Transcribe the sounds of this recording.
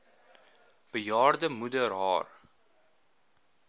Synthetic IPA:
b̥əjɑːrdəmudərɦɑ̰ːr

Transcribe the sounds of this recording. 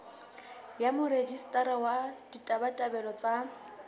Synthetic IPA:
jamʊɾed͡ʒistʼaɾawad̥itʼabatʼabɛlɔt͡sʼa

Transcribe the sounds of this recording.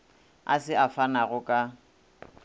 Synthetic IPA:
a̰sɪʔafanaɣʊkʼa

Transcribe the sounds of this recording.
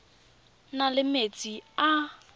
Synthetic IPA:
nalɪmet͡sʼia

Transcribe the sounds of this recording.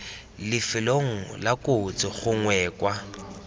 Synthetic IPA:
lɪfɪloŋ̩lakʼot͡sʼɪχʊŋwɛːkwa

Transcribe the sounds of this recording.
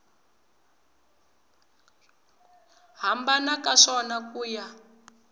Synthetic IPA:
ɦambanakaʂɔnakuːja

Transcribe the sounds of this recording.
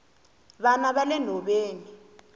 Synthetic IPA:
βanaɓalɛnʱɔɓeːni

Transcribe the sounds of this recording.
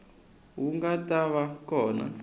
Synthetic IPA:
wuŋɡatʼaβakɔːna̰

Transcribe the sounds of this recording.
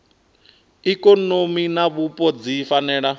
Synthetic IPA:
ikʼɔnominaβupʼɔd͡zifanɛːɺa

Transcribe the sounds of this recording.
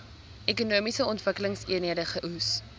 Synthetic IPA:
ʔekunuəmisəɔntvəkələŋsiənɦiədəχəʔus

